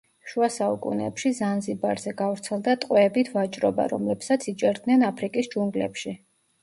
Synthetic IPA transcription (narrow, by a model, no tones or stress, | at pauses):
ʃuasaṵkʼṵnɛ̰pʃizanzibaɾzɛɡavɾt̪sʰɛlˠd̪at̪ʼqʼwɛːbit̪ʰvat͡ʃʼɾɔba̰ɾɔ̰mlɛpsat̪sʰit͡ʃʼɛɾd̪nɛnapʰɾikʼisd͡ʒuŋɡlɛ̰pʃi